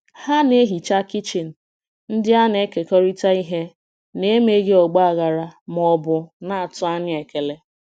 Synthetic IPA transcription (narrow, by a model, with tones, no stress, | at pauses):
ha˦ne˦ɦi˨t͡ʃa˦kɪ˦t͡ʃi˨n̩˨ | n̩˦dɪ˦a˦ne˦ke˨kɔ˦ɾi˦ta˦i˦ɦe˦ | ne˦me˦ɡe˦ɔ˨ɡ͡ba˦a˨ɣa˨ɾa˨m˨ɔ˨bʊ˨na˦a˨tʊ˦a˦ɲɪ˦e˨ke˨le˨